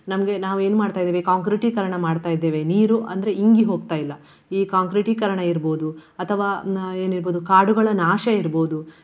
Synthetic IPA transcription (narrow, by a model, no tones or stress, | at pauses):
nɐmɐɡe̞naːʋue̞ːnumaːɖt̪aːjid̪ːeʋekaːŋkɾiʈikɐɾɐɳɐmaːɖt̪aːjid̪ːeːʋe̞niːɾuʔɐ̰nd̪ɐɾe̞iŋɡiɦo̞ːɡ̚t̪aːjilːɐ | iːkaːŋkɾiʈikɐɾɐɳɐiɾboːd̪uɐt̪ʰɐʋaːe̞ːniɾbo̞ːd̪ukaːɽuɡɐɭɐnaːʃɐiɾbo̞ːd̪u